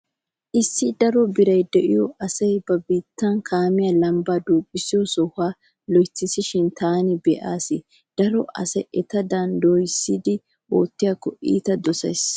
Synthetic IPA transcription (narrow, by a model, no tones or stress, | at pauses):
ʔɪsːɪd̪ɐɾɔbɪɾɐjd̪ɛʔɪjɔʔɐsɐjbɐbiːt̪ːɐnkʰaːmɪjaːlɐmbaːd̪uːpʼːɪsɪjɔsɔhaː | lɔjt͡sːɪsɪʃɪnt̪ʰaːnɪbɛʔaːsɪ | d̪̥ɐɾɔʔɐ̰sɛʔɛt̪ɐd̪ɐnd̪ojsːɪd̪ɪ | oːt̪ːɪjakːɔʔḭːt̪ɐd̪ɔsɐ̰js